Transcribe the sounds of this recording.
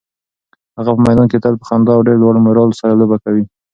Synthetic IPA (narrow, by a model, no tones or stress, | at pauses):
haɣapəmajd̪ɑnket̪alpə̥xand̪ɑawɖeɾdwɑɽmʊɾɑlsaɾalobakawi